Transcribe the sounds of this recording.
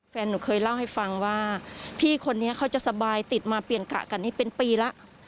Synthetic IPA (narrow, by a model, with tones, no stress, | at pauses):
fɛː˧nːuː˩˦kʰɤː˧jla˥˩wɦa˥˩jfa˧ŋwaː˥˩pʰiː˥˩kʰo˧nːi˦˥ɐkʰa˦˥˩wt͡ɕa˨˩ʔsa˧baː˧jt̪i˨˩t̪̚maː˧pli˨˩ənka̰˨˩ka˧nːiː˥˩pe˧npiː˧la˦˥ʔ